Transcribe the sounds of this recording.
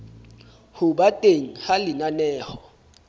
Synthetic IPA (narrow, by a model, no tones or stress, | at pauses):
hʊɓatʼeŋ̩halɪnanɛːhɔ